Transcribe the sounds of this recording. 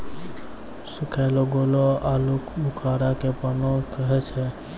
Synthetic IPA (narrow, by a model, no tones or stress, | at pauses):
sʊkʰɛːloɡoːloaːlukbʱʊkʰaːɾakepənokəɦɛt͡ʃʰɛ